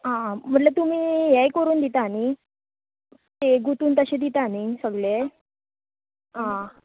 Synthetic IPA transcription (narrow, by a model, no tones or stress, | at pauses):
ɦãm̤əʈlat̪um̤iːɦɛjkəɾuːnd̪it̪aːni | t̪eɡut̪uːnt̪əɕed̪it̪aːnisəɡle | ɦã